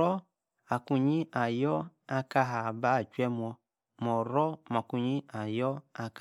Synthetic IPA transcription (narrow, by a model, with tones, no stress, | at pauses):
ɔ˦ | a˨ku˧ɲi˦ʔa˨jɔ˦a˧ka˧ɦa˨ba˦˨t͡ʃwɛ˦mwɔ˧ | mɔ˨ɾɔ˦ma˨ku˧ɲi˦a˨jɔ˦a˧k